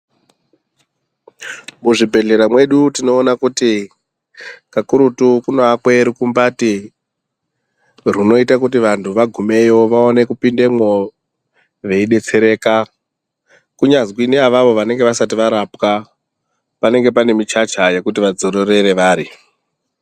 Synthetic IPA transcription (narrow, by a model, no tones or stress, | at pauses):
muʐibʱe̞ɮe̞ɾamwe̞ɗutino̞ːnakuti | kakuɾutukunoakwe̞ɾikumbati | runo̞itakut̬iʋantʰuʋaɡʱume̞jo̞ʋaone̞kupinde̞mwo | ʋe̞iɗe̞t͡se̞ɾe̞ːka | kuɲazkwineaʋaʋo̞ʋane̞ŋɡe̞ʋasat̬iʋaɾapka | pane̞ŋɡe̞pane̞mit͡ʃat͡ʃaje̞kutiʋad͡zoɾore̞ɾe̞ʋaːɾi